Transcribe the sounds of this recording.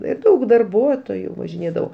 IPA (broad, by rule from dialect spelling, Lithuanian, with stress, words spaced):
ɪr ˈdɐʊk dɐrˈbuɔtoːjʊ ʋɐʒʲɪˈnʲeːdɐʋoː